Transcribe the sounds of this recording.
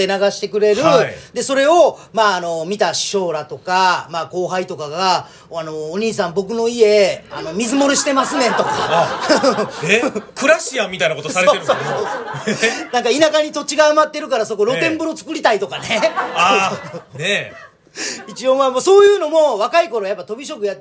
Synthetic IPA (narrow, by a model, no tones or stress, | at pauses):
enaɡaɕi̥t̪e̞kɯ̟ɾe̞ɾɯ̟d̪e̞so̞ɾe̞o̞maːno̞mʲit̪aɕi̥ɕo̞ːɾat̪o̞kamaːko̞ːɦait̪o̞kaɡa | ano̞ːɲ̟iːsãmbo̞k̬ɯ̟no̞ie̞ano̞mʲizɨmo̞ɾɯɕi̥t̪e̞masɨnẽ̞t̪o̞kaɯekɯ̟ɾaɕiamʲit̪ainako̞t̪osaɾeeɾsososonãŋkainakaɲ̟it̪o̞t͡ɕiɡaːmat̪ːe̞ɾɯ̟kaɾaso̞ko̞ɾo̞t̪ẽ̞mbɯɾo̞t͡sɨ̥kɯ̟ɾʲit̪ait̪o̞kane̞ | one | it͡ɕio̞mamoso̞ːjɯ̟ːno̞mo̞βakaiko̞ɾo̞japːat̪obʲiɕ̬o̞kɯja